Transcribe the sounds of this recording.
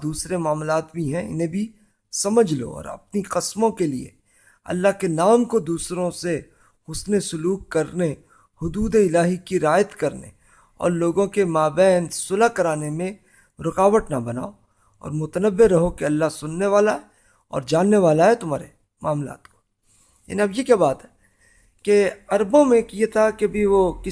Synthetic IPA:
d̪uːsɾemaːmlaːt̪bʱiɦɛ̃ɪ̰nɦẽbʱi | sɐməd͡ʒʱlo̰ɔ̰ːɾɐ̰p̚niqɪsmõkeliḛ | ɐ̰lːaɦkenaːmkod̪uːsɾõse | ɦʊsnesʊluːkːɐɾne | hʊd̪uːd̪eɪlaːɦikiɾaːjət̪kɐɾnḛ | ɔ̰ːɾloːɡõkemaːbɛːnsʊlakɐɾaːnemẽ | ɾʊkaːʋəʈnabɐna̰ːo | ɔ̰ːɾmʊt̪ənəbːeɾɐɦokeɐlːaɦsʊnːeʋaːlaɦɛ | ɔ̰ːɾd͡ʒaːnːeʋaːlaɦɛt̪ʊm̤aːɾe | maːmla̰ːt̪ko̥ | ja̰niɐbjekjabaːt̪ɦɛ | keɐɾbõmẽkijet̪ʰakebʱiʋokɪ

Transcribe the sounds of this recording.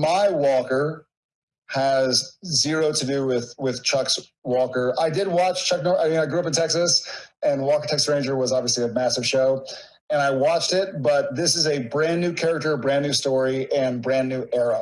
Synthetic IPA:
maɪwɔkə˞ | əzːɪɹoʊɾɨdɨwɪðwɪð̥t͡ʃʰʌks | wɔkə˞ʔaɪdɨd̚wɑt͡ʃt͡ʃʰʌk̚nɔaɪmĩnaɪɡɹʉʌp̬n̩tʰɛksɨsɨ̃nwɔkə˞tʰɛksɹẽɪ̃nd͡ʒə˞wʌzɑbviəsliɨmæsɨv̥ʃoʊ | ɨ̃naɪwɑt͡ʃtɪt̚b̥ʌt̪̚ðɪsɨzɨbɹæ̃nːʉkʰɛɹɨk̚tə˞ʌbɹæ̃nːʉstɔɹiʔɨ̃nbɹæ̃nːʉʔɛɹə

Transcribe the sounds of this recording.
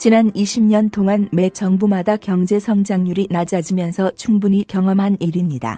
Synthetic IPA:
t͡ɕinaniɕʰimɲʌntʰoŋanme̞t͡ɕʌŋbumadakjʌŋd͡ʑe̞sʰʌŋd͡ʑaŋɲuɾinad͡ʑad͡ʑimjʌnsʰʌt͡ɕʰuŋbuɲikjʌŋʌmɦaniɾimɲida̰

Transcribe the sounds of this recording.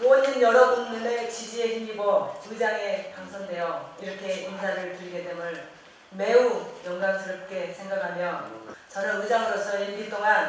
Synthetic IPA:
oninjʌɾʌɡuŋɲimet͡ɕid͡ʑieimɡiɡʌɯd͡ʑaŋe̞paŋsʰʌŋdwe̞jʌiɾʌkʰe̞insʰaɾɯɭtɯɾiɡet͈emɯn | me̞ujʌŋɡaŋsʰɯɾʌp̚k͈e̞sʰe̞ŋɡakʰamjʌt͡ɕʌɾʌnud͡ʑaŋɯɾos͈ʰʌiɭɡit͈oŋan

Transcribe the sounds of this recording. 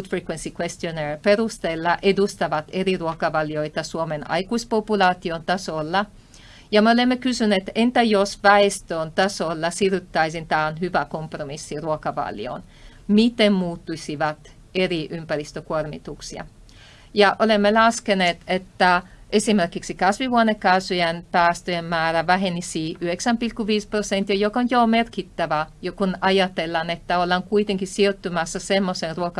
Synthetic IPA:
ut̪frikwensikwest̪ionerperust̪elːɑʔedust̪ɑʋɑt̪eriruokɑʋɑljoit̪ɑsuomenɑ̰ikuispopulɑːt̪iont̪ɑsolːɑ | jɑmeolemːekysyneːt̪ent̪æjosʋæest̪øːnt̪ɑsolːɑsiryt̪ːɑisint̪ɑːnɦyʋækompromisːiruokɑʋɑ̰lj̰o̰ːn | mit̪emmuːt̪ːusiʋɑt̪ | eriʔympærist̪økuormḭt̪uksiɑ̰ | jɑʔolemːelɑskeneːt̪et̪ːæʔesimerkiksikɑsʋiʋuonekɑsyjænpæːst̪øjemmæːræʋæɦenisiːʔyheksæmpilkːuʋiːsprosent̪ːiɑjokonjomerkit̪ːæʋæjokunɑjɑt̪elːɑnet̪ːæolːɑŋkuit̪eŋkissiot̪ːymɑsːɑsemːosenruokɑ

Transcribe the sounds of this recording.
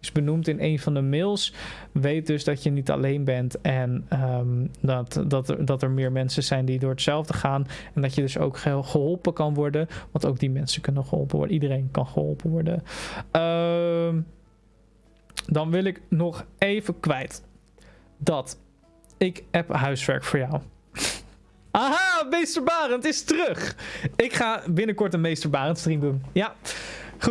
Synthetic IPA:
ɪzbənumtɪnejnvɑndəmɪlˠs | ʋejt̚dɵzdɑtjənitɑ̰lejnbɛntɛnədtdɑtdɑtɛɹmɪːɹmɛnsəzɛjndidʊːɹətsɛlˠvdəχaːnɛndɑtjədɵso̰wkχəɦɔlˠpəkɑnʋɔɹdəʋɑntowkɡ̚dimɛnsəkɵnənχəɦɔ̰lˠpəʋɔ̰ɹdəidərejnkɑnχəɦɔ̰lˠpəʋɔɹdə̰əm | dɑnʋɪlˠɪknɔχejvəkʋɛjt | dɑt | ɪkɦɛpɦœɥsʋɛ̰ɹkfʊːɹjaw | aɦamejstəɹbaːrəntɪstərɵχɪkχaːbɪnəkɔɹtənmejstəɹbaːrəntstrimdunja | χu

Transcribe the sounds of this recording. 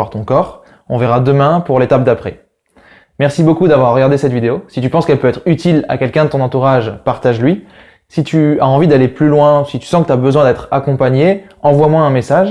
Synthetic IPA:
aʁt̪ɔ̃kɔːʁ | ɔ̰̃vɛʁad̪əmɛ̃puʁlet̪ap̚d̪apχɛ | mɛʁsibokud̪avwaʁːəɡaʁd̪esɛt̪vid̪eosit̪ypɑ̃skɛlpøɛt̪χyt̪ila̰kʲɛlkʲɛ̃d̪ət̪ɔ̃nɑ̃t̪uʁaʒpaʁt̪aʒlɥi | sit̪yaɑ̃vid̪aleplylwɛ̃sit̪y̥sɑ̃kət̪yabəzwɛ̃d̪ɛt̪χakɔ̃paɲeɑ̃vwamwɛ̃ɛ̃mesaʒ

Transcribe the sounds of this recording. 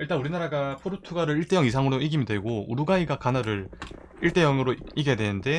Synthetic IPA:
iɭt͈anuɾinaɾaɡapʰoɾotʰuɡaɾɯɾiɭt͈e̞jʌŋisʰaŋɯɾoiɡimideɡoṵɾuɡaiɡakanaɾɯɾ | iɭt͈e̞jʌŋɯɾoiɡeadwe̞nɯnde̞

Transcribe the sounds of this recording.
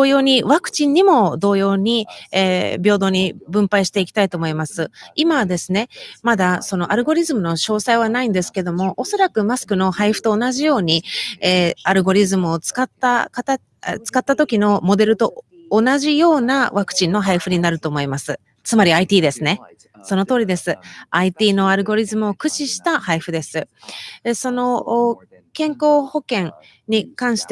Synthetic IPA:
doːjo̞ːɲ̟iβakɯ̟̥t͡ɕĩɲ̟imo̞d̪o̞ːjo̞ːɲ̟ieːbʲjo̞ːd̪o̞ɲ̟ibɯ̟̃mpaiɕi̥t̪e̞ikʲi̥t̪ait̪o̞ːmo̞imasɨimad̪e̞sɨne̞mad̪aso̞no̞ʔaɾɯ̟ɡo̞ɾʲizɨmɯno̞ɕo̞ːsaiβ̞anaĩnd̪e̞sɨ̥ke̞d̪o̞mo̞ʔoso̞ɾakɯ̟masɨ̥kɯ̟no̞haiɸɯ̟̥t̪o̞ːnaʑijo̞ːɲ̟ieːaɾɯ̟ɡo̞ɾʲizɨmɯ̟o̞t͡sɨ̥kat̪ːakat̪a | t͡sɨ̥kat̪ːat̪o̞kʲino̞mo̞d̪e̞ɾɯ̟t̪o̞ː | naʑijo̞ːnaβakɯ̟̥t͡ɕĩnːo̞ɦaiɸɯ̟ɲ̟inaɾɯ̟t̪o̞ːmo̞imasɨ | t͡sɨmaɾʲiait̪ʲiːd̪e̞sɨne̞ | so̞no̞t̪o̞ːɾʲid̪e̞sɨait̪ʲiːno̞aɾɯ̟ɡo̞ɾʲizɨmɯ̟o̞kɯ̟t͡ɕiɕi̥t̪ahaiɸɯ̟d̪e̞sɨ | so̞no̞ | kẽ̞ŋko̞ːho̞kẽ̞ŋ | ɲ̟ikãɰ̃ɕi̥t̪e

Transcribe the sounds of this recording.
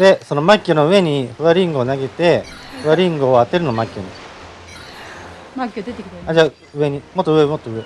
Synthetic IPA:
d̪e̞so̞no̞makʲːonoɯ̟e̞ɲ̟iɸɯ̟βaɾʲĩŋɡɯ̟onaɡe̞t̪e̞ɸɯ̟βaɾʲĩŋɡɯoat̪e̞ɾɯ̟no̞makʲːoɲi | makʲːd̪et̪ead͡ʑa | ɯ̟e̞ɲ̟imo̞t̪ːoɯ̟emo̞t̪ːoɯ̟e̞

